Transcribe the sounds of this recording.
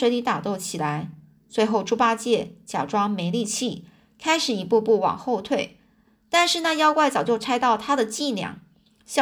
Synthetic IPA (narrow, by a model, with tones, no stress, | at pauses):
we˧˥ɪli˧˥t̪a˨˩t̪o˥˩ʊt͡ɕʰi˨˩la˧˥ɪ | t͡swe˧˥ɪxo˥˩ʊʈ͡ʂu˥pa˥t͡ɕjɛ˥˩t͡ɕja̰˨˩ʈ͡ʂwɑ˥ŋme˧˥ɪli˥˧t͡ɕʰi˥˩ | kʰa˥ɪʂɻ̩˨˩i˧˥pu˥˧pu˥˩wɑ̰˨˩ŋxo˥˧ʊt̪ʰwe˥˩ɪ | t̪a˥˧nʂɻ̩˥˧na˥˧jɑ˥ʊkwa˥˩ɪt͡sɑ˨˩ʊt͡ɕjo˥˩ʊʈ͡ʂʰa˥ɪt̪ɑ˥˩ʊt̪ʰa˥d̪ə˨t͡ɕi˥˧ljɑ̰˥˩ŋ | ɕ